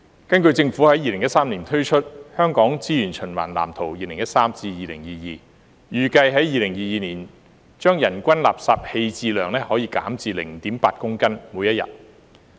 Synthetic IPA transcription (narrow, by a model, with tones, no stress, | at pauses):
kɐ˥nkɵ˧ɥt͡sɪ˧ŋfuː˨˥hɐ˨˥jiː˨˧lɪ˨˩ŋjɐ˥tsaː˥mniː˨˩nt̪ʰɵ˥ɥt͡ʃʰɵ˥t̚hœː˥ŋkɔː˨˥ŋt͡siː˥jyː˨˩nt͡ʃʰɵ˨˩nwa̰ː˨˩nla̰ː˨˩mt̪ʰo˨˩wjiː˨˧lɪ˨˩ŋjɐ˥t̚saː˥mt͡siː˧jiː˨lɪ˨˩ŋjiː˨˧jiː˨˧ | jyː˨kɐ˧jɦɐ˨˥jiː˨˧lɪ˨˩ŋjiː˨˧jiː˨˧niː˨˩n | t͡ʃœː˥ŋjɐ˨˩nkʷɐ˥nla̰ː˨p̚saː˧p̚he˧jt͡siː˧lœː˨˩ŋlɛː˥hɔː˨˥jiː˧ka̰ː˨˥mt͡siː˧lɪ˨˩ŋt̪iː˨˥mpaː˧t̚kʊ˥ŋkɐ˥nmu˨˧jɐ˥t̚jɐ̰˨t̚